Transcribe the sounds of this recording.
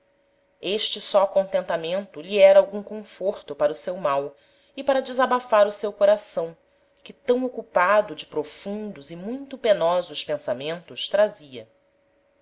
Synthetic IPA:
eʃt͡ʃɪsɔkõnt̪ẽnt̪amẽnt̪ʊʎiɛɾɐawɡũkõfoɾt̪ʊpaɾʊsewmaw | ɪpaɾɐd͡ʒɪzabafaɾʊsewkoɾasɐ̃w̃ | kɪt̪ɐ̃w̃okupad̪ʊd͡ʒɪpɾofũnd̪ʊzɪmũj̃t̪ʊpenɔzʊʃpẽsamẽnt̪ʊʃt̪ɾaziɐ

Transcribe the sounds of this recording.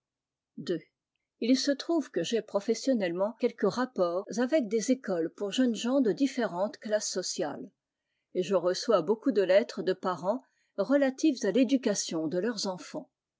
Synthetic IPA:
d̪ø | ilsət̪χuvkəʒepχɔfɛsjɔnɛlmɑ̃kʲɛlkəʁapɔːʁzavɛk̚d̪ezekɔlpuʁʒənʒɑ̃d̪əd̪ifeʁɑ̃t̪klasːɔsjal | eʒəʁəswabokud̪əlɛt̪χəd̪əpaʁɑ̃ | ʁəlat̪ifzaled̪ykasjɔ̃d̪əlœʁzɑ̃fɑ̃

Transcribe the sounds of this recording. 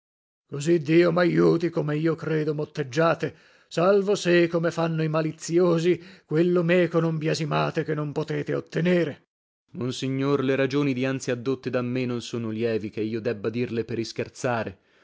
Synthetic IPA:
kozid̪ːiːomajːuːt̪ikomeiːokɾeːd̪omot̪ːed͡ʒːaːt̪e | salvosekomefanːoimalit̪sjoːzikwelːomɛːkonombjazimaːt̪ekenːompot̪eːt̪eo̰t̪ːeneːɾe | monsiɲːorleɾad͡ʒoːnid̪iant̪siad̪ːot̪ːed̪amːenːonsoːnoljɛːvikeiːod̪ɛbːad̪irleperiskert̪saːɾe

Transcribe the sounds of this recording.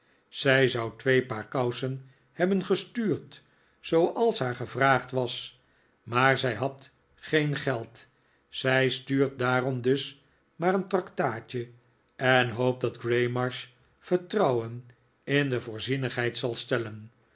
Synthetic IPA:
z̥ɛjzʌwtʋejpaːɹkʌwsən | hɛbənχəstyːrt | sowʔɑlˠsɦaːɹχəvraːχtʋɑs | maːɹzɛjɦɑt | χejnχɛlˠt | sɛjstyːɹt̚daːɾɔmdɵs | maːɾəntrɑktaːt͡ʃə | ɛnɦowp̚dɑdɡrejmɑɹʃ | fəɹtrɑwən | ɪndəvʊːɹzinəχɦɛjtsɑlˠstɛlən

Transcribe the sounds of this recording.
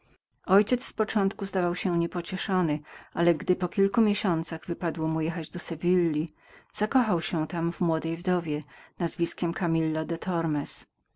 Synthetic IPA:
ɔjt͡ɕɛt̪sspɔt͡ʂɔ̃nt̪kuzd̪avawɕɛɲɛpɔt͡ɕɛʂɔnɘʔalɛɡd̪ɘpɔkʲilkumʲjeɕɔnt̪saɣvɘpad̪wɔmujɛxad͡ʑd̪ɔsɛvʲilːi | z̥akɔxawɕɛt̪amvmwɔd̪ɛjvd̪ɔvʲjɛnazvʲiskʲɛmkʰamʲilːad̪ɛt̪ʰɔɾmɛs

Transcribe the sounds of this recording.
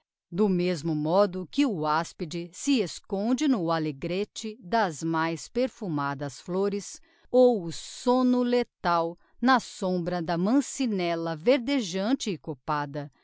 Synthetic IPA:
d̪ʊmezmʊmɔd̪ʊkɪʊaspid͡ʒɪsɪeskõd͡ʒɪnʊaleɡɾet͡ʃɪd̪ɐzmajspeɾfumad̪ɐsfloɾɪs | owʊsõnʊlet̪aw | nɐsõbɾɐd̪ɐmɐ̃sinɛlɐveɾd̪eʒɐ̃t͡ʃɪːkopad̪ɐ

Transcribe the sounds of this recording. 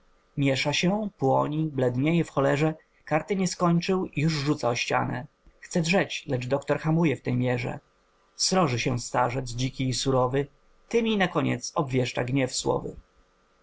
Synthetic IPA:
mʲjɛʂaɕɛpwɔɲiblɛd̪ɲejɛfxɔlɛʐɛ | kaɾt̪ɘɲɛskɔɲt͡ʂɘwjuʐʐut̪saɔɕt͡ɕa̰nɛ̰ | xt̪sɛdʐɛt͡ɕlɛʐd̪ɔkt̪ɔɾxamujɛft̪ɛjmʲjɛʐɛ̰ | sɾɔʐɘɕɛst̪aʐɛd̪zd͡ʑikʲiːsuɾɔvɘ | t̪ɘmʲinakɔɲɛ̰t̪sɔbvʲjɛʂt͡ʂa̰ɡɲɛfswɔ̰vɘ̰

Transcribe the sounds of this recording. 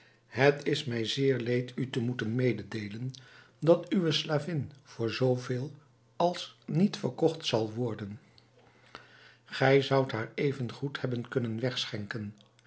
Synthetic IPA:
ɦətɪsmɛjzɪːɹlejtytəmutənmejdədejlən | dɑtyʋəslaːvɪnv̥ʊːɹzowveːlˠ | ɑlˠsnitfəɹkɔχtsɑlˠʋɔɹdən | χɛjzʌwtɦaːɹejvənχuthɛbənkɵnənʋɛχsχɛŋkən

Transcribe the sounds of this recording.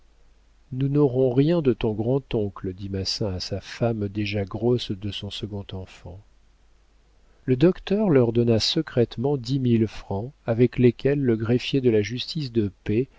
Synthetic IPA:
nunoʁɔ̃ʁjɛ̃d̪ət̪ɔ̃ɡʁɑ̃t̪ɔ̃kləd̪imasɛ̃asafamd̪eʒaɡʁɔsd̪əsɔ̃səɡɔ̃t̪ɑ̃fɑ̃ | ləd̪ɔkt̪œʁlœʁd̪ɔnasəkχɛt̪mɑ̃d̪imilfχɑ̃avɛklekʲɛlːəɡʁɛfjed̪əlaʒyst̪is̬d̪əpe

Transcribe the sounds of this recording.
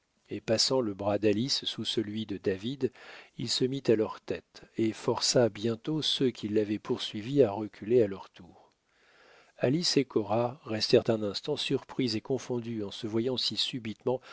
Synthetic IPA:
epasɑ̃ləbʁad̪alisːusəlɥid̪əd̪avid̪ilsəmit̪alœʁt̪ɛt̪efɔʁsabjɛ̃t̪osøkʲʰilːavɛpʰuʁsɥiviaʁəkʲʰylealœʁt̪uːʁ | alisekʰɔʁaʁɛst̪ɛʁt̪ɛ̃nɛ̃st̪ɑ̃syʁpχizekɔ̃fɔ̃d̪yɑ̃səvwajɑ̃sisybit̪mɑ̃

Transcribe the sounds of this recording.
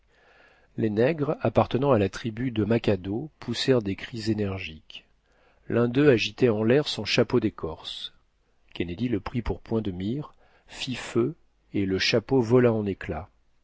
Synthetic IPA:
lenɛɡʁapaʁt̪ənɑ̃alat̪χibyd̪əmakʲad̪opʰusɛʁd̪ekχizenɛʁʒik | lʔɛ̃d̪øaʒit̪ɛɑ̃lɛʁsɔ̃ʃapod̪ekʰɔʁs | kʲened̪iləpχipuʁpwɛ̃d̪əmiʁ | fifø | eləʃapovɔlaɑ̃nekla

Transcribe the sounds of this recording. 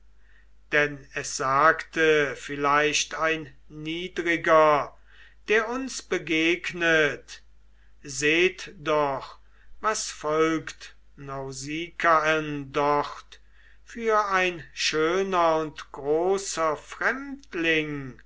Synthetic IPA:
d̥ɛnɛsz̥aːktəfɪlaɪʃtaɪnːiːdʁɪɡɐ | d̥eːɐʊnsb̥əɡeːknət | zeːtd̥ɔχ | vasfɔlkt | naʊziːkʰaɛndɔχt | fyːɐaɪnʃøːnɐʊntɡ̥ʁoːsɐfʁ̥ɛmtlɪŋ

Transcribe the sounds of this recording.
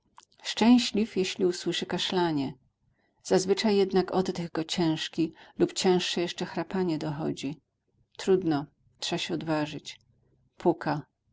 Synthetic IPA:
ʂt͡ʂɛ̃w̃ɕlʲifjeɕlʲiuswɘʂɘkaʂlaɲɛ | z̥azvɘt͡ʂajːɛd̪nakɔd̪ːɛɣɡɔt͡ɕɛ̃w̃ʂkʲilupt͡ɕɛ̃w̃ʂʂɛjɛʂt͡ʂɛxɾapaɲɛd̪ɔxɔ̰d͡ʑi | t̪ɾud̪nɔ | tʂaɕɛɔd̪vaʐɘt͡ɕ | pʰukʰa

